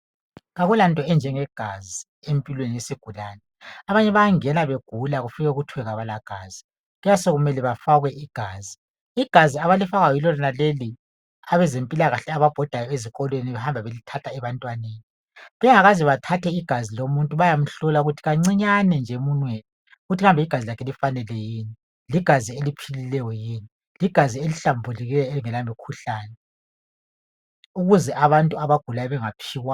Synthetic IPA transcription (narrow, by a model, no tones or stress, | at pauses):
ɣaɣulantʼɔɛnd͡ʒʱɛŋɛɡ̥ʱazi | empʼilwenijesiɡ̥ʱulanɛ | aβaɲɛβaaŋɛnaβeɡ̥ʱulaɣufiɣɛuɣutʰwɛɣaβalaɡ̥ʱaːzi | ɣujasoɣumɛlɛβafaɣwɛʔiɡ̥ʱaːzi | iɡ̥ʱaziaβalifaɣajɔilɔlɔnaleli | aβɛzempʼilaɣaɬɛaβab̥ʱɔd̥ʱajɔeziɣʼɔlweniβɛhambʱaβelitʰatʰaɛβantʼwaneːni | βɛŋaɣaziβatʰatʰɛiɡ̥ʱazilomuntʼuβajam̩ɬɔlauɣutʰi̥ɣaŋ͡ǀiɲanɛnd͡ʒʱɛmunweni | ɣutʰiɣambʱɛiɡ̥ʱazilakʰɛlifanɛlɛjiːni | liɡ̥ʱazielipʰililɛjɔjiːni | liɡ̥ʱazieliɬambʱuliɣilɛɔeliŋɛlamikʰuɬaːnɛ | uɣuzɛʔaβantʼuaβaɡ̥ʱulajɔβɛŋapʰiːɣwa